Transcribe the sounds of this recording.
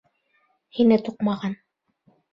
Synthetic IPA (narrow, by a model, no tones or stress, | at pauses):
hinɘt̪uqmɑʁɑn